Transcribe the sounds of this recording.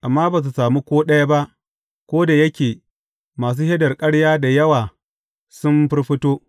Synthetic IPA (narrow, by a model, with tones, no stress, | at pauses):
ʔa˨mːaː˦ba˨s̬u˨saː˨mu˦kʷoː˦ɗɐ˦ja˦ba˦ʔ | kʷoː˦da˨jɐ˦kʲeː˨ | maː˨s̬uː˦he˦dɐ˨rkʼɐ˦ɽjaː˦da˨jɐ˦waː˨ | sʊ˦mɸɪ˦rɸɪ˦toː˦